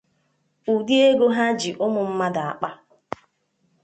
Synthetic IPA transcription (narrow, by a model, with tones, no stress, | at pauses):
u˨di˦e˦ɡo˦ɦa˦d͡ʒi˨ʔʊ˦mʊ˨m̩˦ma˦da˨a̰˨k͡pa˦